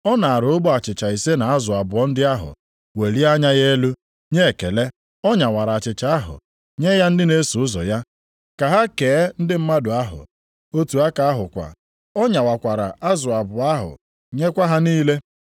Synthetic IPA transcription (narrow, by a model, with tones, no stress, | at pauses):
ɔ˦na˨a˨ɾʊ˨ʊ˦bɔ˦a˨t͡ʃɪ˨t͡ʃa˨i˨se˦na˨a˦zʊ˨a˨bʊ˨ɔ˦n̩˦dɪ˦a˦ɦʊ̰˨ | we˨ɾi˦a˦ɲa˦je˦lu˦ | ɲe˦˨ke˨le˦ | ɔ˦ɲa˨wa˨ɾa˨a˨t͡ʃɪ˨t͡ʃa˨˦a˦ɦʊ̰˨ | ɲe˦ja˦n̩˦dɪ˦ne˦su˨ʊ˦zɔ̰˨ja˦ | ka˨ɦa˦ke˨˦n̩˦dɪ˦m̩˦ma˦dʊ˨a˦ɦʊ̰˨ | o˦tu˨a˦ka˨a˦ɦʊ˨kʷa̰˨ | ɔ˦ɲa˨wa˨kʷa˨ɾa˨a˦zʊ˨a˨bʊ˨a˦ɦʊ̰˨ | ɲe˦kʷa˦ɦa˦niː˦le˦